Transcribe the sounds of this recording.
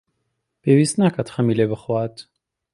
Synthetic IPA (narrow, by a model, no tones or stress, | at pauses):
b̥ɛwisnakʰat̪ʰχamilɛbəχwat̪ʰ